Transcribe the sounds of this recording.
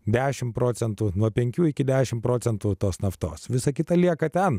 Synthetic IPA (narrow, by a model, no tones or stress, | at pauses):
d̪ʲæːʃʲɪmpɾoːt͡ssʲɛnt̪uːnuɔpʲɛŋʲkʲuːɪkʲɪd̪ʲæːʃʲɪmpɾoːt͡s̪ʲɛnt̪uːt̪oːsnɐft̪o̰ːsʋʲɪsɐkʲɪt̪ɐlʲiɛkɐt̪ʲɛn